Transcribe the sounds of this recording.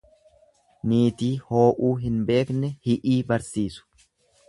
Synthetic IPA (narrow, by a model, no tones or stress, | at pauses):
niːt̪iːho̞ːʔuːɦɪnbe̞ːknɛhɪʔiːbɐɾsiːsʊ̥